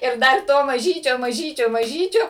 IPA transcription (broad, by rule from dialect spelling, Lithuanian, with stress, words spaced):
ɪr ˈdɐr ˈtoː mɐˈʒʲiːt͡ʃʲoː mɐˈʒʲiːt͡ʃʲoː mɐˈʒʲiːt͡ʃʲoː